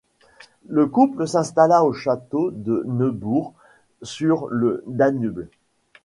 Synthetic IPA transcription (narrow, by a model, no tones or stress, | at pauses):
ləkupləsɛ̃st̪alaoʃat̪od̪ənəbuʁ | syʁləd̪anybl